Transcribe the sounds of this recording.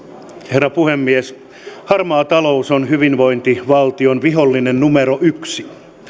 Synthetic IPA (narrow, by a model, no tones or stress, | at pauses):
herːɑpuhemːies | hɑrmɑːt̪ɑlousonhyʋinʋoint̪iʋɑlt̪ionʋiɦolːinennumeɾoʔyksi̥